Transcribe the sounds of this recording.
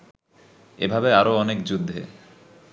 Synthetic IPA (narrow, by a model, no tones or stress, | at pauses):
ḛbʱabeaɾoɔnekd͡ʑud̪ʱːḛ